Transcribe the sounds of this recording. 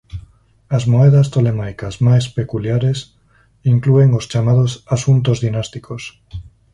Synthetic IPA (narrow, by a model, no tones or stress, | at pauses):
azmoeð̞ast̪olemajkazmajspekuljaɾes | iŋklueŋost͡ʃamað̞osasunt̪ozðinast̪ikʰos